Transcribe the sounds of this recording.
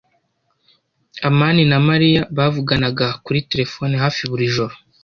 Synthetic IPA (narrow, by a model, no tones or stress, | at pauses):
amaːninamaɾijaβavuɡanaɡakuɾite̞ɾe̞fo̞ːniɦaːfiβuɾiʒo̞ɾo